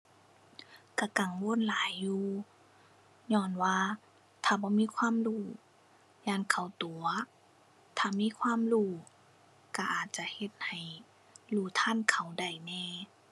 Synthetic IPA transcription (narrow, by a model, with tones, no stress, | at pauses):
ka˧˩ka˨˦ŋwo˧˥˨nlaː˨˦jːuː˧ | ɲɔː˧˩˨nwaː˧ | t̪ʰaː˧˩bɔː˧˦miː˧˥˨kʰwaː˧˥˨mluː˧˩ | jaː˧˥˨nkʰa˨˩wt̪u˨˩˦ɐ | t̪ʰaː˧˩miː˧˥˨kʰwaː˧˥˨mluː˧˩ | ka˧˩ʔaː˨˩t̪̚t͡ɕa˧˨he˧t̪̚ha˨˩j | luː˧˩t̪ʰa˧˥˨nkʰa˨˩wda˧˩jnɛː˧˩